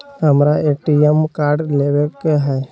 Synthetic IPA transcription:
həmɾaeʈiemkaːɾɖleʋekɦɛː

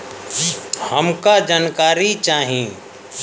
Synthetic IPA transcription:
həmkad͡ʒaːnkaːɾit͡ʃaːɦĩː

